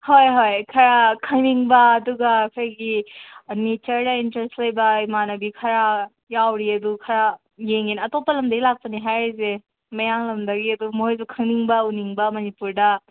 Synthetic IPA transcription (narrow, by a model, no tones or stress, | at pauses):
hojɦojkʰɐɾakʰɐŋniŋbɐːduɡɐkʰɡinet͡ʃɐɾdɐintɾestlɐjbɐjmanɐbikʰɐɾa | jawɾiɐdukʰɐɾa | jeŋenɐtopɐlɐmdɐɡilak̚pɐniɦajze | mɐjaŋlɐmdɐɡiɐd̪umoɦojzukʰɐŋniŋbɐuniŋbɐmɐnipuɾdɐ